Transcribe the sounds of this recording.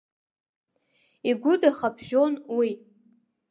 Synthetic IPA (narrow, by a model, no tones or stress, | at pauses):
iɡʷʊdaχapʰʒᶣonwi